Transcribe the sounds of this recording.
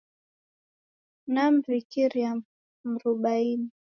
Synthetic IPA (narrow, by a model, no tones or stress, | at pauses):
nam̩vikiɾia | m̩ɾuɓaini